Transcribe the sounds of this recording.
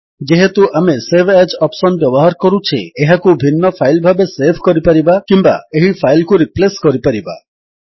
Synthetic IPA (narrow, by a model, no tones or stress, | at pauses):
d͡ʒeɦet̪uʔamesebʰʱɛd͡ʒɔpsɔnbjɔbɔɦaɾkɔɾut͡ʃʰḭeɦakubʱinːɔpʰajlbʱabesepʰkɔɾipaɾibakimba̰eɦipʰajlkuɾipleskɔɾipaɾiba̰